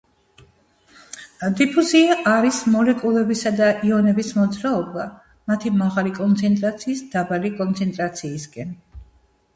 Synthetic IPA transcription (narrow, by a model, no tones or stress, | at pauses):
d̪ipʰuziaʔaɾismɔlɛkʼulˠɛbisad̪aʔiɔnɛbismɔd̪zɾaɔba | mat̪ʰimaʁalikʼɔnt̪sʰɛnt̪ʼɾat̪sʰiːsd̪̥abalikʼɔnt̪sʰɛnt̪ʼɾat̪sʰiːsɡʼɛn